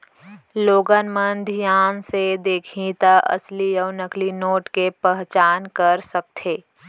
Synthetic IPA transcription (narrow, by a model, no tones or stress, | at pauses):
loːɡənmənd̪ʱijaːnsed̪eːkʰĩt̪aʔə̰slijəːnəklinoːʈkepəɦt͡ʃaːnkəɾsək̚t̪ʰeː